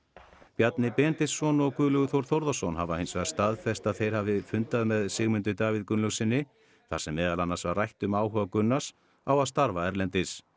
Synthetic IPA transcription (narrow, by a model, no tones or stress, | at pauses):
pjat̪nɪpɛːnt̪ɪsːɔnɔɣkʏːðlʏɣʏθowɾ̥θowɾðasɔnɦavahejnsvɛɣðast̪aːðfɛst̪aðθejɾ̥havɪfʏnt̪aðmɛðsɪɣmʏnt̪ʏt̪aːvɪðkʏnlʏsɪnːɪ | θasɛmːɛːðalanːasvarrajht̪ʏmaːwɦœːvakʏnːas | awaðst̪aɾvaɛɾlɛnt̪ɪs